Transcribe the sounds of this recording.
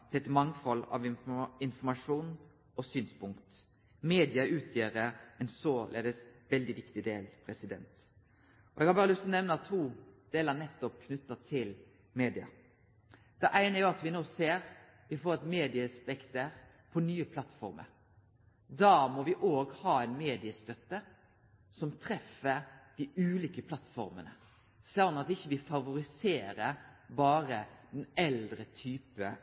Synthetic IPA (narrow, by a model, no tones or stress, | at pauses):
t̪ʰɪɛt̪mɑŋfɔlːɑ̰ʋɪnfɔmɑʂuːn | ɔsyːnspʊŋkt̪ | meːd̪ɪɑʔʉːt̪ʰjeːɾəɛnsoːlʔḛːd̪əsʋɛld̪ɪʋɪkt̪ɪd̪ḛːlpʰɾɛsɪd̪ɛ̰nt̪ | ɔɛɡhɑːbɑːɾəlʏst̪lɔnɛʋnəɑt̪ʰuːd̪̥eːləɾnɛt̪ːɔp̚kʰnʉt̪ːət̪ʰɪl | meːd̪ɪɑ̰ | d̪̥ɛʔæɪnəæɾjʊɑt̪ʋɪnoːseːɾ | ʋɪfoːɾɛt̪meːd̪ɪəspɛkt̪əɾ | pʰɔnyːəpʰlɑt̪fɔ̰ɾmə̰ɾ | d̪ɑːmɔʋɪʔoːɡhɑːɛɪnmeːd̪ɪəst̪œt̪ːə | sɔmt̪ʰɾɛfəd̪̥ɪʉːliːkəpʰlɑt̪ːfɔ̰ɾmə̰nə̰ | sɑnɑt̪ɪçːəʋɪfɑʋʊɾɪseːɾəbɑːɾəd̪ɛnɛld̪ɾət̪ʰyːpə